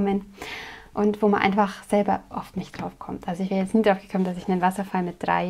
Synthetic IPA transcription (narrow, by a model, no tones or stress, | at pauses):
mən | ʔʊntv̥oːmanʔa̰ɪnfaχz̥ɛlbɐʔɔ̰ftnɪçtd̥ʁ̥aʊfkʰɔmtʔalzoɪçv̥ɛːʁjɛt͡stniːdʁaʊfɡə̥kʰɔmənd̥asɪçnanvasɐfalmɪt̚d̥ʁa̰ɪ